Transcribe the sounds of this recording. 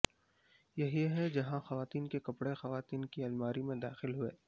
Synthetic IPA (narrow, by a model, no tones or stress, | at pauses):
jɐɦiɦɛd͡ʒɐɦãxɐʋaːt̪iːnkekɐpɽexɐʋaːt̪iːnkiɐlmaːɾimẽd̪aːxɪlɦuḛː